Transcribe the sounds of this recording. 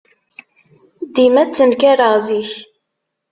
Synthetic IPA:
d̪imæt͡sːənkæɾəʁziç

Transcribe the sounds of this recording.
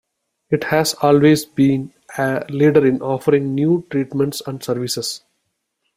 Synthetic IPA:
ɪʈhæːzɔːlʋeːzbĩːn | ɛliːɖəɾɪ̃nɔːfəɾɪ̃ŋɡnjuːʈɾiːʈmɛ̃ɳʈsæ̃ɳɖsəɾʋɪses

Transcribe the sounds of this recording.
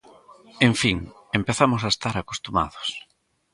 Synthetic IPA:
eɱfiŋ | empeθamʊsaest̪aɾako̥st̪uma̰ðʊs

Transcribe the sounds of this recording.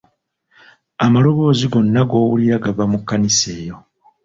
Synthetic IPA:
amalo̞βo̞ːziɡo̞nːaɡo̞ːwuliɾaɡaβamukːanise̞ːjo̞

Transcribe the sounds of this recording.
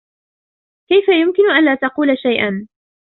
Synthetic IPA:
kajfajʊmkɪnʊʔanlaːt̪ɑquːlaʃajʔan

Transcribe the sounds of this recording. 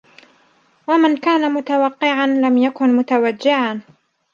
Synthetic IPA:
wamankaːnamʊt̪awɑqːɪʕanlamjakʊnmʊt̪awad͡ʒːɪʕan

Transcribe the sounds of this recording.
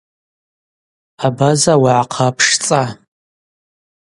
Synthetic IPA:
abazawaʕaqʰapʰʂt͡sʼa

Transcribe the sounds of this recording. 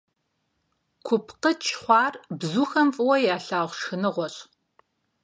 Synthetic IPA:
kʷʰʊpʰqət͡ʃʰχʷɑːrbzuːxɐmfʼwɐjaːɬaːʁʷʃxɨnɨʁʷɔɕʼ

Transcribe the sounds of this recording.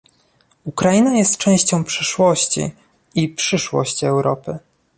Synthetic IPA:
ukɾajinajɛst̪t͡ʂɛ̃w̃ɕt͡ɕɔ̃w̃pʂɘʂwɔɕt͡ɕḭ | ipʂɘʂwɔ̰ɕt͡ɕiɛwɾɔpɘ

